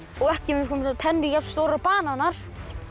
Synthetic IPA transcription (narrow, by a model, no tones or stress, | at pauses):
ɔɣɛhcɪmkʰɔmt̪ʰɛnɾɪcap̚t̪st̪owɾapaːnanaɾ̥